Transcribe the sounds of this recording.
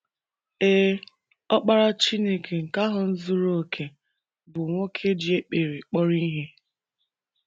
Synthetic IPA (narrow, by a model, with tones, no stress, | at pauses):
eː˦ | ɔ˦k͡pa˦ɾa˦t͡ʃi˦ne˦ke˨ŋ̩˨ka˦ɦʊ˨n̩˦zu˦ɾo˦˨kʰe˨ | bʊ˨ŋʷo˦kʰe˦dɪ˨e˦k͡pe˨ɾe˨k͡pɔ˦ɾi˦ɦe˦